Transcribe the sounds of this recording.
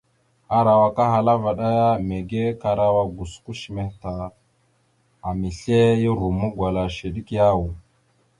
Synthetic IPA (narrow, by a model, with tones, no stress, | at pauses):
a˦ɾa˨wa˨ka˦ɦa˨la˦va˨ɗa˦ja˦me˨ɡe˦ka˨ɾa˨wa˦ɡu˨sku˦ʃi˨me˨hta˨ | a˨mi˨ɬe˦ji˦ɾu˨mu˦ɡʷwa˨la˨ʃe˨ɗi˦kja˦wu˨